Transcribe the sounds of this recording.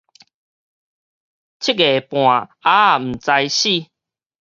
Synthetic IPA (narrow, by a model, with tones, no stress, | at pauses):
t͡ɕʰi˦˥ke˨pw̃ã˨˩a˦˨m̩˨˩t͡sa˧jɕi˥˨